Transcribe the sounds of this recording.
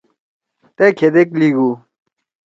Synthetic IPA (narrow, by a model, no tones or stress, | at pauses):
t̪ekʰed̪ekliɡu